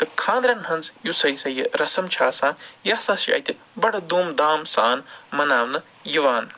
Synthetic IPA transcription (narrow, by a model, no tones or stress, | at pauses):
t̪ɨkʰãːnd̪ɾɐnɦɐnzjusɐjsɐjiɾɐsɐmt͡ʃʰaːsãːnjaːsaːsiɐ̰jt̪i | bɐɽɐd̪uːmd̪aːmsaːnmɐnaːʋnɐ | jiʋaːn